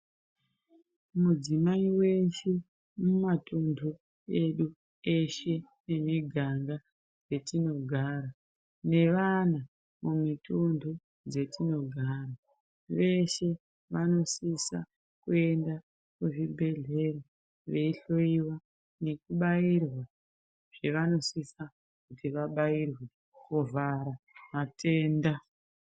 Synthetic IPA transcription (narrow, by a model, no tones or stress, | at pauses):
mud͡zimaiwe̞ʃe | mumatundʱu | e̞ɗu | e̞ʃe̞ | ne̞miɡʱaŋɡa | d͡ze̞tino̞ɡʱaːɾa | ne̞ʋana | mumitundʱu | d͡ze̞tino̞ɡʱaːɾa | ʋe̞ʃe̞ | ʋano̞sisa | kue̞nda | kuʐibʱe̞ɮe̞re | ʋe̞iɬo̞iwa | ne̞kuɓairwa | ʐ̥e̞ʋano̞sisa | kutiʋaɓairwe | kuvʱaɾamatʰe̞ːnda